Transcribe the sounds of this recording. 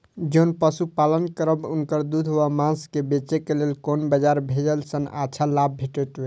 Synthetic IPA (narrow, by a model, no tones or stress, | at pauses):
d͡ʒeunpəsupalənkəɾəbunkəɾd̪ud̪ʱɦobamãnskebet͡ʃekelelkonbəd͡ʒaɾbʱed͡ʒəlsəna̰t͡ʃʰalab̚bʱeʈɛt̪be